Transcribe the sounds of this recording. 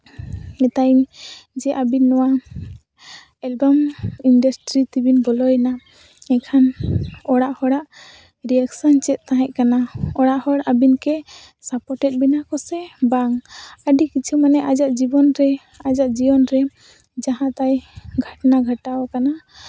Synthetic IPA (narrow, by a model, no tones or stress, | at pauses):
ɛt̪aind͡ʒɛʔabinːɔwa | ɛlbaminɖasʈɾit̪ibinbɔlɔjna | ɛkʰanɔɽaʔhɔɽaʔ | ɾiaksɔnt͡ʃɛt̪̚ˀt̪ãɦɛ̃ʔ̚ˀkanaɔɽaʔhɔɽʔabinkɛ | sapɔʈɛt̪̚ˀbinakɔsɛbaŋəɖikit͡ʃʰumanɛʔad͡ʒaʔd͡ʒibɔnɾɛ | ad͡ʒaʔd͡ʒibɔnɾɛ | d͡ʒaɦãt̪ajɡʱaʈnaɡʱəʈawakana